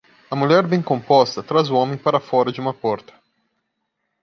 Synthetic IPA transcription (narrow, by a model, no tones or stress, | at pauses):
ɐmuʎɛɾbẽj̃kõmpɔst̪ɐt̪ɾazʊõmẽj̃paɾɐfɔɾɐd͡ʒɪũmɐpɔɾt̪ɐ̥